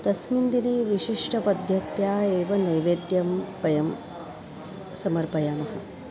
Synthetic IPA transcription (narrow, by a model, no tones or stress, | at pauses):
t̪ɐsmind̪ineːʋiʂiʂʈʰɐpɐd̪ʱjɐt̪jaːeːʋɐnɐjʋeːd̪jɐmpɐjɐm | sɐmɐɾpɐjaːmɐɦɐ